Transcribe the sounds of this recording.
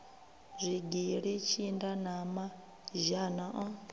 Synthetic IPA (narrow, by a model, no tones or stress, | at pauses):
zʷiɡiɺit͡ʃʰindanama | ʒanaʔɔ